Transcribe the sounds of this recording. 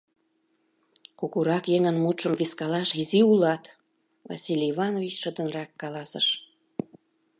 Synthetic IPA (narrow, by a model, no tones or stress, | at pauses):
kuɣuɾɑkjeŋənmut̪ʃəmviskɑlɑʃiziulɑt̪ | vɑ̰sʲilʲiivɑnovit͡ɕʃəd̪ə̆nrɑkːɑlɑsə̰ʃ